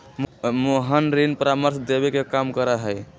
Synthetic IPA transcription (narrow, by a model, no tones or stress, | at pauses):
moɦənɾinpəɾaməɾsd̪ebekekamkəɾəɦəj